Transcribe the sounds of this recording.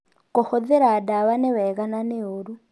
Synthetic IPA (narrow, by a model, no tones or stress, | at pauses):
kɔhɔd̪ɛɾadaβanɛwɛkananeoɾu